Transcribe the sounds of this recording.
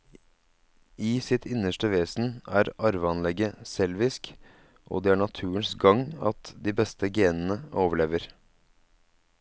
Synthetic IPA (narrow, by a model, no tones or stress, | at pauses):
ɪsɪt̪ʰɪnəʂʈəʋeːsn̩æːɾɑɾʋəɑnlɛɡəsɛlʋɪsk | ʔo̰ːd̪ɛæːɳɑt̪ʰʉːənsɡɑŋɑ̰t̪d̪iːbɛst̪əɡeːnn̩əoːʋəɭeːʋəɾ